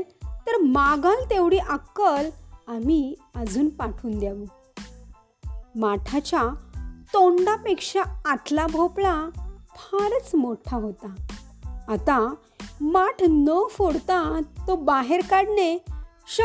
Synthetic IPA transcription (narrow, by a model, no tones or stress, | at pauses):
t̪əɾmaɡãlt̪eʋɽiːʔəkːəlamiəd͡zʱuːnpaʈʰuːnd̪jaʋu | maʈʰat͡ɕat̪oɳɖapekʂaːt̪ʰlabʱoplapʰaɾət͡smoʈʰaɦot̪aː | t̪a | maʈʰnəfoɽt̪at̪obaɦeɾkaɽne | ɕə